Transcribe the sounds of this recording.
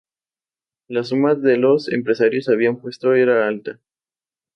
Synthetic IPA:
lasumaðelo̞sḛmpɾe̞saɾjo̞saβ̞iampwe̞st̪oeɾaalt̪a

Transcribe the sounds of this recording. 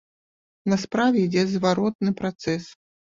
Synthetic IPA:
nɐspɾavʲɛid͡zʲɛzvaɾɔt̪̚nɨpɾat̪sɛs

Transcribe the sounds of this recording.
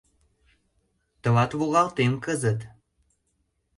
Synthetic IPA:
t̪ə̆βɑt̪βoɣɑlt̪emkəzət̪

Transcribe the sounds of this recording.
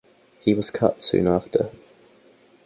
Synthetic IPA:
hiwɒz̥kʰʌ̰tsʉ̰̃ːnɑˑftʰə

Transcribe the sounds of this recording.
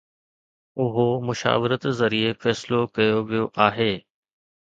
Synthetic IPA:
ʊɦomʊʃa̰ːʋɪɾət̪zɐɾiefɛːsɪlokɐjoʋijoʔaːɦeː

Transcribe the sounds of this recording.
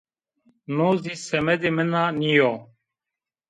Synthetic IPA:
nozisɛmɛd̪imənanijɔ

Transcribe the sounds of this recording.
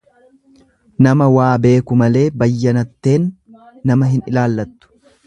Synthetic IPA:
nɐmɐwaːbe̞ːkʊmɐle̞ːbɐjːɐnɐt̪ːe̞ːnː | ɐmɐɦɪnɪlaːlːɐt̪ːʊ̥

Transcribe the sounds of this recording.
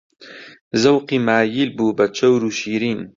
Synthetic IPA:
zɐwqiːmaːjilbuːbɐt͡ʃʰɐwɾuːʃiːɾiːn

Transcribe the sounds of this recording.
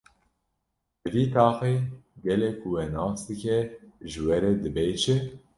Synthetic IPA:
d̪ɨviːt̪ʰɑːxeːɡɛlɛkʰʊwɛnɑːsd̪ɨkʰɛʒɨwɛɾɛd̪ɨbɛːʒɛ

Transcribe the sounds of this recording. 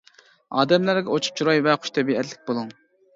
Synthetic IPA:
ɑ̰ːd̪ɛmlæɾɡʲɛot͡ʃʰu̥p̚t͡ʃʰuɾɑjvɛχʰʊ̥ʃt̪ʰɛbiɛt̪lɪ̥k̚ʲbolˠuŋ

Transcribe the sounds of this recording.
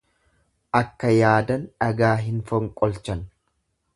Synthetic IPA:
ʔɐkːɐjaːd̪ɐnᶑɐɡaːɦɪnfɔŋkʼɔlt͡ʃɐn

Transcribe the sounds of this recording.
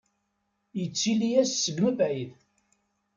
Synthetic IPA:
jət͡sːilijæssːəɡməbʕið

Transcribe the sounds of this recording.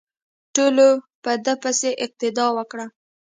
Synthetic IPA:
ʈolo | pəd̪əpəseʔɪq̚t̪ɪd̪ɑwəkɽa

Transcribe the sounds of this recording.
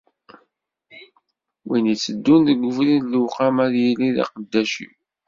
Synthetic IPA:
winit͡sːəd̪ːunðəɡʷːʊvɾinluwqamæðjiliðḭqəd̪ːæʃḭ

